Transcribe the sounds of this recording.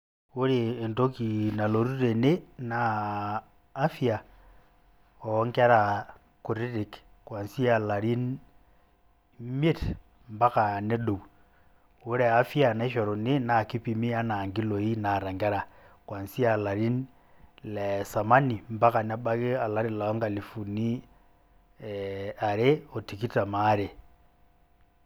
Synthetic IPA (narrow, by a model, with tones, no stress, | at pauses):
u˦ɾeː˨nto˦ki˨na˨lo˨ɾu˦ɾe˨ne˦na˨˦ | fi˦a˨ | ɔ˨˦ŋɡɛ˦ɾa˨ | ku˨ɾi˦di˨k | kwa˨nsi˦a˨la˨ɾi˦n | me˦t | mba˦ka˨nɛ˦ɗo˨u˨ | u˦ɾɛ˨a˦fi˦a˨na˨i˦ʃɔ˨ɾo˨ni˦na˨ki˦pi˨mi˦a˦na˨ŋɡi˦lo˨i˦na˨ɾa˨ŋɡɛ˦ɾa˨ | kwa˨nsi˦a˨la˨ɾi˦n | lɛsa˨ma˦ni˨mba˦ka˨na˦ba˦ɣe˦a˨la˦ɾi˨la˨˦ŋɡa˨li˨fu˨ni˦ | a˨ɾe˦o˨ti˨ki˦ta˨ma˦ɾe˨